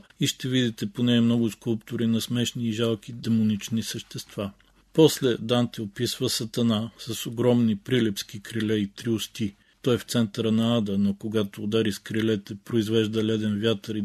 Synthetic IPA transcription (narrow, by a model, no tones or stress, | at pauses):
iʃt̪ɛvid̪it̪ɛponɛːmnɔɡʊskulˠpt̪ʊɾinɐsmɛʃniːʒalˠk̟id̪ɛmonit͡ʃnisəʃt̪ɛst̪v̥a | pɔslɛd̪ant̪ɛopisvəsɐt̪ɐnasɐsoɡɾɔmnipɾilɛpskikɾilɛit̪ɾiost̪i | t̪ɔɛft̪sɛnt̪əɾənɐad̪ənokoɡat̪oːd̪aɾiskɾilɛt̪ɛpɾoizvɛʒd̪əlɛd̪ɛnvjat̪əɾi